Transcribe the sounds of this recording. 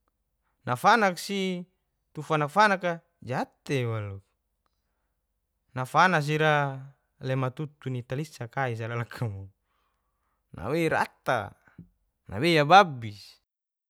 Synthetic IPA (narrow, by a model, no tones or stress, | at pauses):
nʔafanak̚si | t̪ufanakfanaka | d͡ʒat̪ewalu | nafanas̬iɾa | lɛmat̪ut̪unit̪alisakais̬alalakʰamu | na̰weiɾa̰t̪a̰ | na̰wejababis